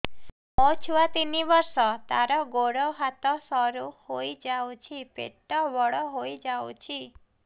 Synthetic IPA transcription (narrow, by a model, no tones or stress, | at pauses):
ɔt͡ʃʰuʋat̪iniʋəɾsɔt̪aɾɔɡoɽɔɦat̪ɔsɔɾuhoid͡ʒawt͡ʃʰipḛʈːɔʋɔɭɔɦojd͡ʒaw̰t͡ʃʰi